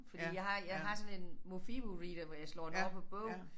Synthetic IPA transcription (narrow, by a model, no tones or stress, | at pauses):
fɒdḭːjɑ̈ɪɦɑ̈jɑ̈ɪɦɑ̈sɔ̽nenmofib̥uʁiːd̥ɐʋɒjɑ̈ɪslɒ̰ːdnɔpʰɒ̽b̥ɔʊ̰n̩